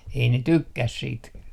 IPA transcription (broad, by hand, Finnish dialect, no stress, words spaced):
ei ne tykːæs siːt